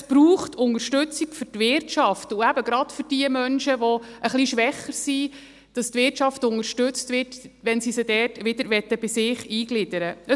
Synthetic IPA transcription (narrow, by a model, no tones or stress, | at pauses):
sb̥ɾuːχtʰʊŋəɾʃtʉt͡siɡfʏtʋɪrtʃɑftuæbəɡɾɑd̥fʏɾd̥iəmœnʃəʋɔəχliʃʋɛχəɾsi | d̥ɑstvʋɪɾtt͡ʃɑftʊŋəɾʃtʉt͡stʋɪtʋɛnsisəd̥ɛːtʋɪd̥əɾʋɛt̪ːəb̥ɪsɪːχiːɡ̥lɪdəɾəə